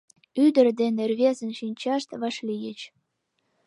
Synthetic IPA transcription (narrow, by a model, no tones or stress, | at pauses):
yd̪ə̆rd̪enerβʲezənʃinʲt͡ɕɑʃt̪βɑʃlijə̆t͡ɕ